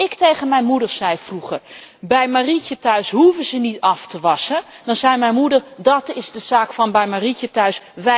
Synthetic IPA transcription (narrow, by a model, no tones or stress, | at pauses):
ɪktejχənmɛjnmudəɹz̥ɛjfruχərbɛjmaːricətœɥsɦuvəzənitɑftəʋɑsədɑnzɛjmɛjnmudəɹdɑtɪzdəz̥aːkfɑnbɛjmaricətœɥsʋɛ